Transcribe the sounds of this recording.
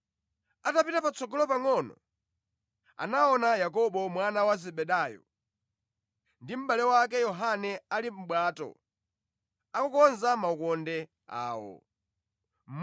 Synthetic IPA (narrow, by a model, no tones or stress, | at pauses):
atapitapat͡sɔɡɔlɔpaŋɔnɔ̰ | a̰naɔnajakɔɓɔmwanawazɛɓɛɗajɔ̰ | ndim̩ɓalɛwak̬ɛjɔɦanɛalim̩ɓwaːtɔ̰ | akɔkɔnzamaukɔndɛ | a̰ːwɔ̰ | m̩